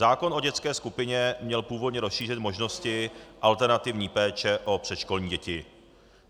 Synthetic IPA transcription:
zaːko̞nʔo̞ɟɛt͡skɛːskupɪɲɛmɲɛlpuːvo̞d̪ɲɛɾosʃiːr̝ɪt̪mo̞ʒno̞scɪʔalt̪ɛɾnat̪ɪvɲiːpɛːt͡ʃɛʔo̞pr̝̥ɛt̪ʃko̞lɲiːɟɛcɪ

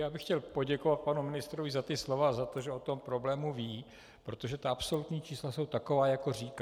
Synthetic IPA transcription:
jaːbɪxcɛlpo̞ɟɛko̞vat̪̚panumɪnɪst̪ɾovɪzat̪ɪslo̞vazat̪o̞ʒɛo̞t̪o̞mpɾo̞blɛːmuviː | pɾo̞t̪o̞ʒɛt̪aʔapso̞lut̪ɲiːt͡ʃiːslaso̞wt̪ako̞vaːjako̞riːka

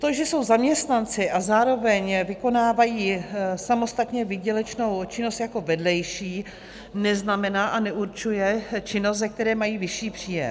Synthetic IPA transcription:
t̪oʒɛso̞wzamɲɛst̪nant͡sɪʔazaːɾo̞vɛɲvɪko̞naːvajiːsamo̞st̪at̪ɲɛvɪɟɛlɛt͡ʃno̞wt͡ʃɪnost̪jako̞vɛdlɛjʃiː | nɛznamɛnaːʔanɛʔuɾt͡ʃujɛt͡ʃɪnost̪zɛk̚t̪ɛɾɛːmajiːvɪʃiːpr̥iːjɛ̰m

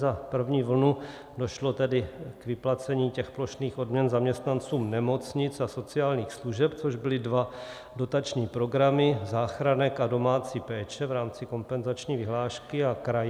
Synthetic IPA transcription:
zapr̩vɲiːvl̩nu | do̞ʃlo̞t̪ɛdɪkvɪplat͡sɛɲiːcɛxplo̞ʃniːxo̞dmɲɛnzamɲɛst̪nant͡suːmnɛmo̞t͡sɲɪt͡saso̞t͡sɪaːlɲiːxsluʒɛpt͡so̞ʒbɪlɪdva | do̞t̪at͡ʃɲiːpɾo̞ɡɾamɪzaːxɾanɛkado̞maːt͡sipɛːt͡ʃɛvɾaːmt͡sɪko̞mpɛnzat͡ʃɲiːvɪɦlaːʃkɪakɾaj

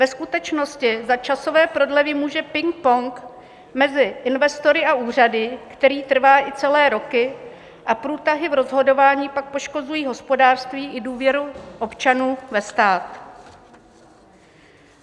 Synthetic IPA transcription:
vɛskut̪ɛt͡ʃno̞scɪzat͡ʃaso̞vɛːpɾo̞dlɛvɪmuːʒɛpɪŋk̚poŋk | mɛzɪʔɪnvɛst̪o̞ɾɪaʔuːr̝adɪkt̪ɛɾiːt̪r̩vaːʔɪt͡sɛlɛːɾo̞kɪ | ʔapɾuːt̪aɦɪvɾo̞zɦo̞do̞vaːɲiːpak̚po̞ʃko̞zujiːɦo̞spo̞daːr̥st̪viːʔɪduːvjɛɾuʔo̞pt͡ʃanuːvɛst̪aːt̪

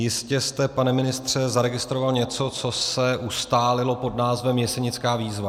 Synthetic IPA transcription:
jɪscɛst̪ɛpanɛmɪnɪst̪r̝̥ɛzaɾɛɡɪst̪ɾovalɲɛt͡so̞t͡so̞sɛʔust̪aːlɪlo̞po̞dnaːzvɛmjɛsɛɲɪt͡skaːviːzva

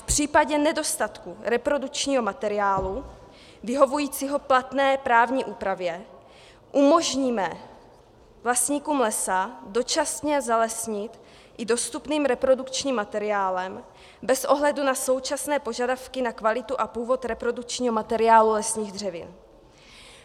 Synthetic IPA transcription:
fpr̝̥iːpaɟɛnɛdo̞st̪at̪kuɾɛpɾo̞dukt͡ʃɲiːɦo̞mat̪ɛɾɪaːlu | vɪɦo̞vujiːt͡siɦo̞plat̪nɛːpɾaːvɲiːʔuːpɾavjɛ | ʔumo̞ʒɲiːmɛ | vlasɲiːkumlɛsado̞t͡ʃasɲɛzalɛsɲɪt̪ | ʔɪdo̞st̪upniːmɾɛpɾo̞dukt͡ʃɲiːmːat̪ɛɾɪaːlɛm | bɛsʔo̞ɦlɛdunaso̞wt͡ʃasnɛːpo̞ʒadafkɪnakvalɪt̪uʔapuːvo̞t̪ɾɛpɾo̞dukt͡ʃɲiːɦo̞mat̪ɛɾɪaːlulɛsɲiːɣd̪r̝ɛvɪ̰n

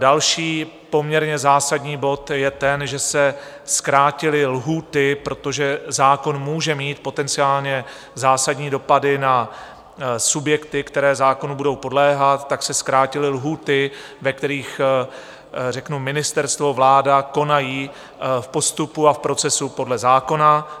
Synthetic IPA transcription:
dalʃiː | po̞mɲɛɾɲɛzaːsadɲiːbo̞t̪jɛt̪ɛnʒɛsɛ | skɾaːcɪlɪlɦuːt̪ɪpɾo̞t̪oʒɛzaːko̞nmuːʒɛmiːt̪̚po̞t̪ɛnt͡sɪaːlɲɛ | zaːsadɲiːdo̞padɪna | subjɛkt̪ɪkt̪ɛɾɛːzaːko̞nubudo̞wpo̞dlɛːɦat̪ːaksɛskɾaːcɪlɪlɦuːt̪ɪ | vɛkt̪ɛɾiːx | rɛknumɪnɪst̪ɛɾst̪vo̞vlaːdako̞najiː | fpo̞st̪upuafpɾo̞t͡sɛsupo̞dlɛzaːko̞na

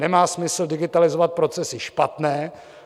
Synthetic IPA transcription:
ɛmaːsmɪsl̩dɪɡɪt̪alɪzovat̪̚pɾo̞t͡sɛsɪʃpat̪nɛː

